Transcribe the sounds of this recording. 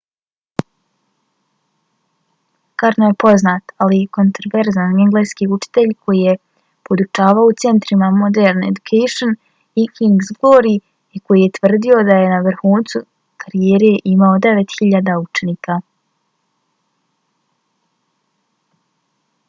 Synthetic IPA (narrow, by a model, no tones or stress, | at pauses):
kaɾnojepo̞znat̪aliko̞nt̪ɾoʋeɾzaneŋɡleskiut͡ʃi̥t̪e̞ʎkʰo̞jije̞ | po̞d̪ut͡ʃaːʋaout̪se̞nt̪ɾimamo̞d̪eɾne̞̰d̪ukʰejʃon | ikʰiŋɡzɡoɾi | iko̞jije̞t̪ʋr̩d̪io̞d̪aje̞naʋr̩xuːnt̪su | kʰaɾijeːɾe̞ʔimao̞d̪e̞ʋe̞t̪xiʎaːd̪aut͡ʃe̞niːka